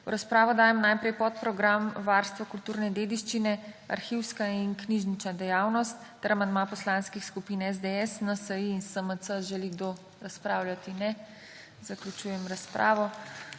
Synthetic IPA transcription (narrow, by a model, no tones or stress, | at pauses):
wɾaspɾaːʋɔd̪aːjɛmnajpɾɛjpɔt̪̚pɾɔɡɾamʋaːɾst̪ʋɔkult̪uːɾnɛd̪eːd̪iʃt͡ʃinɛa̰ɾxiwskainkniʒnit͡ʃad̪ɛjaːwnɔst̪ːɛɾamand̪mapɔslãnskixskupinɛzd̪eɛsnasəjiːnsəməsəʒɛliɡd̪o | ɾaspɾaːwlʲjat̪inɛ | zaklut͡ʃuːjɛmɾaspɾʔa̰ːʋɔ